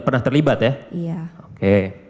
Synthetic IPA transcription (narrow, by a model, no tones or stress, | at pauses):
pərnaht̪ərlibat̪jaijaoke